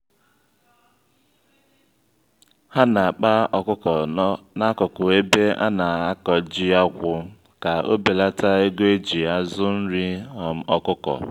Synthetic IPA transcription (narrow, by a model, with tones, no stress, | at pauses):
ha˦na˨k͡pa˦˨kʊ˦˨na˦kɔ˨kʊ˨e˦be˦ʔa̰˦na˨a˦kɔ˨d͡ʒi˦a˦kʷʊ˨ | ka˨o̰˦be˨la˦ta˦e˦ɡʷe˦d͡ʒi˨a˦zʊ˦n̩˦ɾi˦ɔ˨m̩˦ɔ˦kʊ˦kɔ̰˨